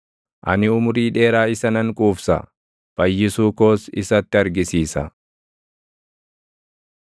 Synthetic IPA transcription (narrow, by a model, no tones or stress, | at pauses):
ʔɐ̰nɪʊmʊɾiːᶑe̞ːɾaːɪsɐnɐŋkʼuːfsɐ̰ | b̥ɐjːɪsuːko̞ːsɪ̰sɐt̪ːɪɐɾɡɪsiːsɐ̰